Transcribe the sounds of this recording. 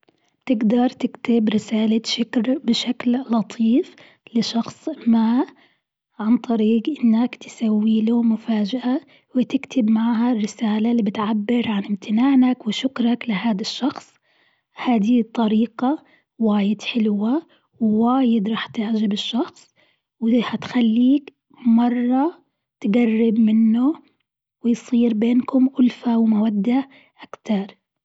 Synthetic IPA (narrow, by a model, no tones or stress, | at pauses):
bt̪ɪɡd̪ɑɾˤt̪ɪkt̪ɪbɾɪsaːlaʃɪkɾbɪʃakllɑt̪ˤʰiːf | lɪʃɑxsˤma | ʕant̪ˤɑɾiːqʔɪnːakt̪ɪ̥sawːiːlumʊfaːd͡ʒaʔa | wɪt̪ɪkt̪ʰɪbmaʕɦarːɪsaːlaliːbɪt̪ʕabːɪɾʕanɪmt̪ʰɪnaːʕnakwɪʃʊkɾˤɑklɪɦaːd̪aʃːɑxsˤ | haːd̪it̪ˤːɑɾiːqɑ | waːjɪd̪ħɪlwa | wwaːjɪd̪ɾˤɑːħt̪ɪʕd͡ʒɪbɪʃːɑxsˤ | wɪhat̪xalːiːk | mɑrˤːɑ | t̪ɡarːɪbmɪnːʊ | wɪjsˤiːɾbeːnkʊmʔʊlfawɪmawad̪ːa | ʔakt̪ɑɾˤ